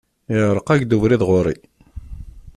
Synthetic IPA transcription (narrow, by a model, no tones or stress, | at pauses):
ɪɾəqæʝd̪uvɾiðʁʊɾi